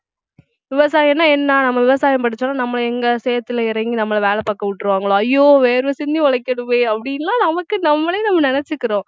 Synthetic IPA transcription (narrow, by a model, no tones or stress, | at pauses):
ʋɪʋɐsaːjɛnːaːɛnːaːnɐmːɐʋɪʋɐsaːjɐmpɐʈ̬ːɯt͡ʃːɐnːaːnɐmːɐɭɛŋɡɐsɛjɐt̪ːɪlɐɪɾɐŋɡinɐmːɐɭɐʋeːlɐpɐːkːɐʋɪʈːɾɯʋaːŋɡɐɭõːɐjːoːʋeːɾʋɐsɪnd̪iʋɐɭɐɪkːɐɽɯʋẽːɐpːɐɽɪnɐlãːnɐmɐkːɯnɐmːɐɭeːnɐmːɐnɪnɛt͡ʃːɯkːɪɾõː